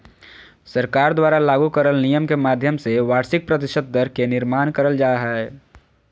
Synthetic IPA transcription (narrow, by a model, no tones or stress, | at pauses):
səɾkaːɾd̪waːɾalaːɡukəɾəlnijəmkemaːd̪ʱjəmseʋaːɾsɪk̚pɾət̪ɪʃət̪̚d̪əɾkenɪɾmaːnkəɾəld͡ʒaːɦɛɛ